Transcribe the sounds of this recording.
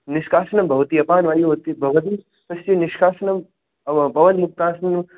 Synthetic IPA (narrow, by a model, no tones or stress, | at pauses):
niʃkʰaːsnɐmbʱɐʋɐt̪iɐpaːnʋaːjiot̪ibʱɐʋɐt̪̬i | pɐst̪iniʃkʰaːsnɐm | pɐʋɐnmuk̚t̪aːsnɐm